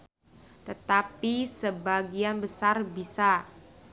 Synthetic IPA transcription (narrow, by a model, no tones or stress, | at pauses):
t̪ət̪apisəbaɡianbəsarbisa